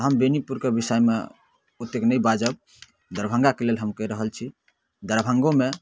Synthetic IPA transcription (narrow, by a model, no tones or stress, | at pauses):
ɦəmbenipuɾkebisəjmḛ | ut̪ːeknəjbad͡ʒəb̚ | d̪əɾbʱə̃ŋɡakelelɦəmkəiɾəɦəlt͡ʃʰi | d̪əɾbʱə̃ŋɡome